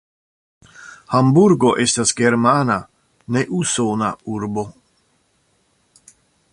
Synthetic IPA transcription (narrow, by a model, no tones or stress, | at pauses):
hambuɾɡoʔest̪asɡeɾmaːna | neʔusoːnauɾbo